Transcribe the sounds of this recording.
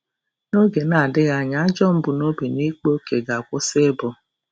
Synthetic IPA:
no˦ɡe˨na˨dɪ˦ɣa˨ɲa˦d͡ʒɔ˦m̩˦bʊ˨no˦bi˨ni˦k͡po˦ke˨ɡa˨kʷʊ˦sɪ˦bɔ˨

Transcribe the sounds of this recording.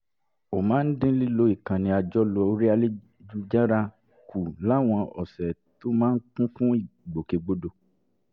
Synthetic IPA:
o˨mãː˨˦n̩˦dĩ˦li˦lo˧˦i˦˨kã˨nĩ˧a˧d͡ʒɔ˦lo˧o˧ɾi˦a˧le˦ | d͡ʒu˦d͡ʒa˦ɾa˧ | kʰu˨la˨˦w̃ɔ̃˧ɔ˨sɛ˨ | to˦mãː˦n̩˦kũ˦fũ˦i˦˨ɡ͡bo˨ke˧ɡ͡bo˦do˧

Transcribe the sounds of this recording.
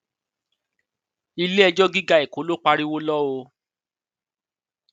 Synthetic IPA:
i˧le˦ɛ˧d͡ʒɔ˦ɡi˦ɡa˦e˨ko˨˦lo˦k͡pa˧ɾi˦wo˦lɔ˦o˧

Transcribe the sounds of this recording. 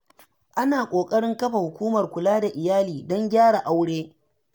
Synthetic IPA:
ʔa˦naː˨kʷʼoː˨kʼɐ˦ɽɪ˦ŋkɐ˦ɸa˨hʊ˨kʷuː˦mɐ˨rkʷʊ˨laː˦da˨ʔɪ˨jaː˦liː˨dɔ˦ŋɡʲaː˦ɽa˨ʔa˦wɽeː˦

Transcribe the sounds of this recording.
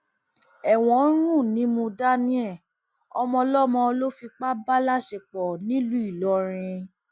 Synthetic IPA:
ɛ˨w̃ɔ̃˨˦ɾ̃ũ˦˨nĩ˨˦mũ˧da˦nĩ˦ɛ˦˨ | ɔ˧mɔ̃˧lɔ˦mɔ̃˧o˧lo˦fi˧k͡pa˦ba˦la˦ʃe˨k͡pɔ˨nĩ˦lu˦i˦˨lɔ˨˦ɾ̃ĩ˧

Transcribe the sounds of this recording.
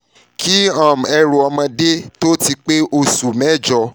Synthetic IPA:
kʰi˦ã˦˨m˨ɛ˧ɾu˨ɔ˧mã˧de˦to˦ti˧k͡pe˦o˧su˨mɛ˦˨d͡ʒɔ˧

